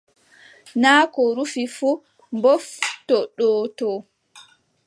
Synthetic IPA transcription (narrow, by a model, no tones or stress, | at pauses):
naːkɔɾufifu | mbɔftɔɗɔːtɔ